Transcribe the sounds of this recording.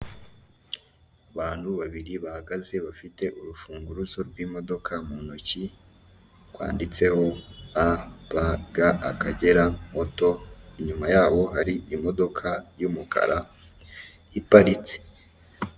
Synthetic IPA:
aβaːn̥huβaβiɾiβahaɡaze̞βafite̞ʔuɾufuːŋɡuɾuzo̞ɾɡwiːmo̞do̞kʰamunoci | kwa̰ːndit͡se̞ho̞aβaɡaʔa̰kaɟe̞ɾamo̞to̞iɲumajaːβo̞ɦaɾiʔimo̞do̞kʰajumukʰa̰ɾa | ipaɾit͡se̥

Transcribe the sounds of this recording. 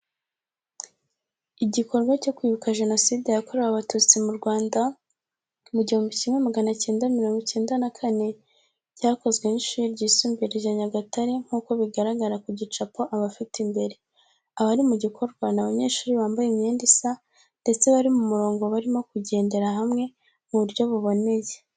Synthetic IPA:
iɟiko̞ɾɡwaco̞kwiːβukaʒe̞no̞sidejako̞ɾeɾaβatut͡simuɾɡwaːnda | muɟihumbicimŋe̞maɡanace̞ːndamiɾo̞ːŋɡoce̞ːndanakʰane̞ | ɟaːko̞zɡwe̞niʃuːɾiɾɟiːsuːmbiɾejaɲaɡataɾe̞ŋ̥uːko̞βiɡaɾaɡaɾakuɟit͡ʃapo̞ʔaβafitimbe̞ɾe̞ | aβaɾimuɟikʰo̞ɾɡwanaβaɲe̞ːʃuːɾiβaːmbajemɲeːndisa | nde̞t͡se̞βaɾimumuɾo̞ːŋɡoβaɾimo̞kuɟe̞ːnde̞ɾaɦamŋe̞ | muβuɾɟo̞βuβo̞ne̞je

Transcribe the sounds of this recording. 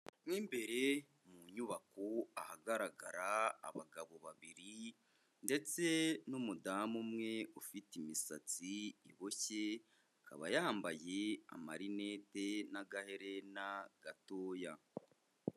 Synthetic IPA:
mwiːmbe̞ɾe̞ | muɲuβakoahaɡaɾaɡaɾa̰ːβa̰ɡaβo̞βa̰βiɾi | nde̞t͡senumudaːmumŋe̞ufitimisat͡siiβo̞çe̞ | aka̰βa̰jahaːmbajea̰maɾine̞ːtenaɡahe̞ɾe̞naɡ̥atoːja

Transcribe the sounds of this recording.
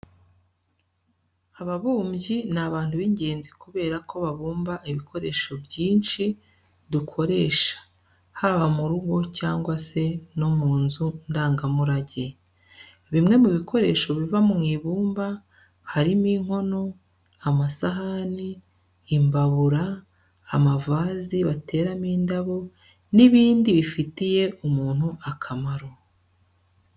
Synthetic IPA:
aβaβuːmɟinaβaːn̥tuβiɲɟe̞ːnzikuβe̞ːɾako̞βaβuːmbaʔiβikʰo̞ɾe̞ːʃo̞bjiːnʃi | dukʰo̞ɾe̞ːʃḁ | haβamuɾuɡo̞caːŋɡwase̞no̞muːnzundaːŋɡamuɾaɟe | βimŋe̞muβikʰo̞ɾe̞ːʃo̞βivamumŋiːβuːmba | haɾimiːŋ̥ho̞no̞ | amasaɦaniː | mbaβuɾaː | mavaːziβate̞ːɾamiːndaβo̞ | niβiːndiβifitije̞ʔumuːn̥huʔakʰamaɾo̞

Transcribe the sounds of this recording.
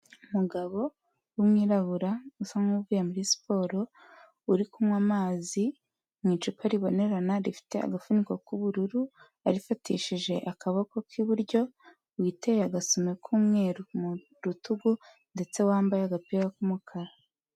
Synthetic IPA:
umuɡaβo̞ | wumŋiːɾaɡuɾausaŋuviːjemuɾispo̞ːɾo̞ | uɾikumwaːmaːzi | mŋiːt͡ʃukaɾiβo̞ne̞ɾanaɾifi̥te̞a̰ɡafunikokuβuɾuɾu | aɾifatʰḭʃiʒe̞ʔakaβoko̞kʰiβuɾɟo̞ | witejaɡasomekʰuːmŋe̞ːɾumu | ɾutuɡu | nde̞t͡se̞waːmbajeaɡapiɡakumukʰaɾa

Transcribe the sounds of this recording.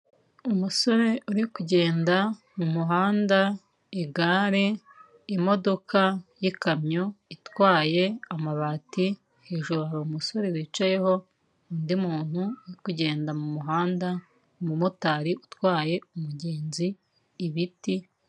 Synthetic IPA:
umuso̞ɾe̞ʔuɾikuɟe̞ːnda | mumuɦaːnda | iɡaːɾe̞ | imo̞do̞kʰajikamɲoitwaːje̞amaβaːti | he̞ːʒuɾuaɾaumuso̞ɾe̞βit͡ʃaje̞ho̞ | uːndimuːn̥huuɾikuɟe̞ːndamumuɦaːnda | mumutaːɾiʔutwaːje̞umuɟe̞ːnziː | βiti

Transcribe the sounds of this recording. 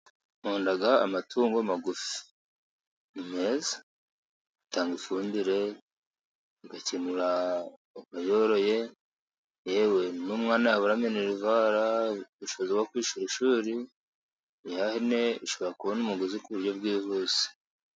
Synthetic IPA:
huːndaɡa̰ːmatʰuːŋɡomaɡufi̥ | imezḁ | itaːŋɡifuːndiɾe̞ | ɡacinuɾa | umajoɾo̞je̞ | jewe̞nuːmŋaːnajaβuɾameneɾivaɾaiʃoβozeɡwakwiːʃuɾiʃuːɾi | hahine̞iʃo̞βɾakuβonumuɡuzikuβuɾjo̞bɡiːhuːsi̥

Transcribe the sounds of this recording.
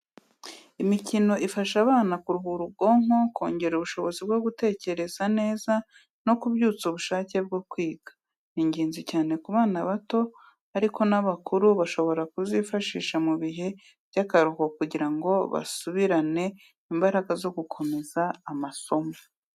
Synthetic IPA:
imicino̞ʔifaʃaβaːnakuɾuβuɾuɡo̞ːŋo̞kʰo̞ːɲɟe̞ɾuβuʃo̞βo̞zib̚ɡo̞ɡute̞ːce̞ɾe̞z̥ane̞ːza | no̞kubɟuːt͡suβuʃaːce̞b̚ɡokwiːɡ̥ḁ | niɲɟiːnzicaːne̞kuβaːnaβato̞ | aɾiko̞naβakuɾuβaʃo̞βo̞ɾakuzifaʃiːʃamuβiɦe̞ | b̥ɟakaɾukokuɟiɾaŋɡo̞βa̰suβiɾane̞ | imbaɾaɡazo̞ɡukʰo̞me̞zaːmaso̞mo

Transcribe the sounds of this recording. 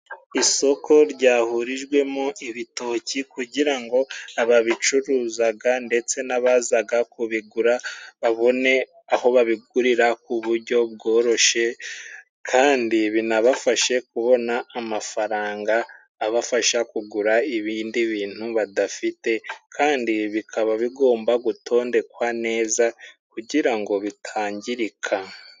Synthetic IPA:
iso̞kʰo̞ɾɟaːhuɾiʒɡwe̞moiβito̞cikuɟiɾaŋɡo̞aβaβit͡ʃuɾuːzaɡande̞t͡se̞naβazaɡakuβiɡuɾaβaβo̞ne̞ | aho̞βaβiɡ̚uɾiɾakuβuɾɟo̞β̚ɡo̞ːɾo̞ʃe̞ | kʰaːndiβinaβafaʃe̞kuβo̞naːmafaɾaːŋɡaː | βafaʃakuɡuɾaiβiːndiβiːn̥huβadafite̞kʰaːndiβikʰaβaβiɡo̞ːmbaɡutʰo̞ːnde̞kwane̞ːzakuɟiɾaŋɡo̞βitʰaːɲɟiɾikʰa

